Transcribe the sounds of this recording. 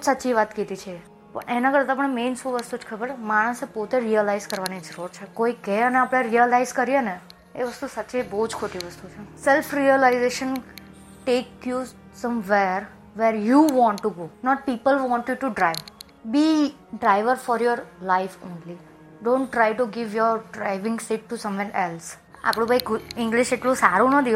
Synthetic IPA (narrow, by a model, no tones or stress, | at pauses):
sətːʃiʋat̪kit̪it͡ʃʰe | pə̰ɳʔenakəɾt̪apəɳmeːnsuʋəst̪ud͡ʒkʰəbəɾmaɽ̃əsepot̪eɾiəlaɪzkəɾʋanid͡ʒəɾuɾt͡ʃʰekoikɛəneapɽ̃eɾiəlaɪzkəɾijene | eʋəst̪usətːʃibəɦud͡ʒkʰoʈiʋəst̪ut͡ʃʰesɛlfɾiəlaɪzeʃən | ʈekju | sʌ̃mʋeɾ | ʋeɾjuʋɔ̃ɳʈːuɡoːnɔʈ̚piːpəlʋɔ̃ɳʈjuʈuɖɾaɪʋ | bi | ɖɾaɪʋəɾfɔɾjɔɾlaɪfõːnli | ɖõːɳʈːɾajʈuɡɪʋjɔɾɖɾaɪʋɪ̃ŋɡsiʈːusʌ̃mʋɛɾʔɛls | a̰pɽ̃ũbaikɪ̃ŋɡlɪʃeʈlõsaɾũnəd̪iõ